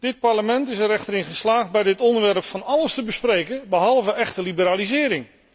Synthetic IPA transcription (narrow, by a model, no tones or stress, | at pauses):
d̥ɪt̚pɑɹləmɛntɪsɛɾɛχtəɾɪnχəslaːχd̚bɛjdɪtɔndəʋɛrpfɑnɑləstəbəsprejkəbəɦɑlˠvəɛχtəlibəɾaːlizɪːɾɪŋ